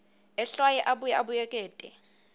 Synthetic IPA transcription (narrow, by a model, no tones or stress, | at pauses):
ɛɬwajɛʔaɓujɛaɓujɛkʼɛːtʼɛ